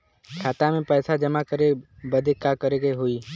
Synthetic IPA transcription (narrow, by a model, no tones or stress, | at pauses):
kʰaːt̪amẽpɛːsad͡ʒəmakəɾebəd̪ʱekakəɾeɡeɦoiː